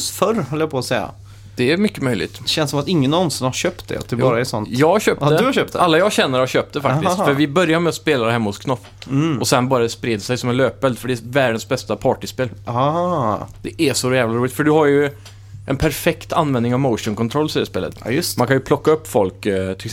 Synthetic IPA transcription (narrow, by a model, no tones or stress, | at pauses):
sfœɾhɔlːəjapʰɔːsɛjːa̰ | d̪̥ɛæɾmʏkːəmœjlɪ̰ɡt̪ɕɛnsɔmat̪ɪŋːənɔnsɪnhaɾɕøːpt̪̚d̪ɛ̰a̰t̪̚d̪ɛbɑːɾaɛsɔnt̪jɑːɡɕøːpd̪dd̪aɕøːpt̪alːajɑːɡɕɛnːəɾhaɾɕøːp̚t̪ɛfakt̪ɪt̪fœɾvɪbœɾjaɾmɛɔspeːlaɾhɛmːhʊskʰnɔf | ɔsɛnbɑːɾad̪ɛspɾeːd̪sɛjsɔmɛnløːpːɛld̪fœɖɛɛvæːɖənsbɛst̪apʰɑːʈɪspeːl | d̪̥ɛʔæʂɔjæːvlaɾuːlɪt̪fœɖɵhaɾjɵ | ʔɛnpʰæɾfɛkt̪anːvɛ̃nd̪nɪŋavmoʊʂʊnkʰɔnt̪ʰɾɔlːsɛəspeːlə̰t̪jmankʰanjɵpʰlɔkːaɵpːfɔlkt̪ʰɪ